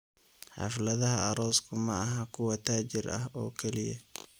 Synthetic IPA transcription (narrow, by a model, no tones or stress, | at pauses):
ħɑ̰flɐðɐɦɐɐɾɔːskʰʊmɐːɦɐkʰʊwɐt̪ʰaːt͡ʃɪrɐ̰hɔːkʰɛlɪjɐ